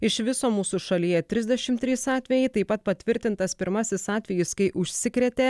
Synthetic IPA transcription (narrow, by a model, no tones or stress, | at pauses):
ɪʃʋʲɪsoːmuːsuʃɐlʲiːjɛt̪ʲɾʲɪzʲd̪ʲɛʃʲɪmt̪ʲːɾʲiːsɑːt̪ʲʋʲɛjɛɪt̪ɐɪpɐt̪̚pɐt̪ʲʋʲɪɾʲt̪ʲɪnt̪ɐspʲɪɾmɐsʲɪsɑːt̪ʲʋʲɛjɪskɐɪʔʊʃʲsʲɪkɾʲɛːt̪ʲeː